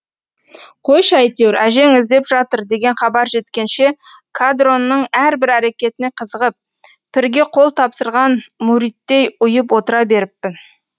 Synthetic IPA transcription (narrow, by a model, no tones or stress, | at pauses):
qʰo̞jʃɑjt̪ewɾæʒe̞ŋɪzd̪e̞pʒɑt̪əɾd̪e̞ɡʲe̞ɴχɑbɑɾʒe̞t̪kʲe̞nʃe̞ | kʰad̪ro̞nːəɴæɾbɪɾæɾe̞kʲe̞t̪ɪne̞qʰəzəʁəp̚ː | ɪɾɡʲe̞qʰo̞lˠt̪ʰɑpsəɾʁɑnmuɾijt̪ːe̞jʊjəp̬wo̞t̪əɾɑbe̞ɾɪpːɪn